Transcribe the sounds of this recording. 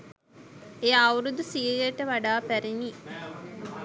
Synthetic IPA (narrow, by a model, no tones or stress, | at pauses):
ejawɾud̪usiəjəʈəʋaɖaːpæɾini